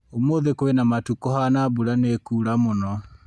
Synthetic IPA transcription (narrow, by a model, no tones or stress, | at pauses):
omoðekowenamatukɔɦanabuɾanekuɾamonɔ